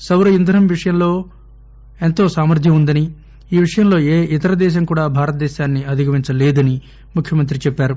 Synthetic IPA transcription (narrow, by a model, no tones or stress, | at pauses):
sɐwɾɐind̪ʱɐɾɐmʋiʂɐjɐmlo̞ː | ent̪o̞ːsaːmɐɾt̪jɐmund̪ɐni | iːʋiʂɐjɐmlo̞ːeːʔit̪ɐɾɐd̪ɛːʃ̬ɐmkuːɽaːbʱaːɾɐt̪̚d̪ɛːʃaːnːiɐd̪ʱiɡɐʋiɲt͡ʃɐleːd̪ɐni | mukʰjɐmɐnt̪̬ɾit͡ʃɛpːaːɾu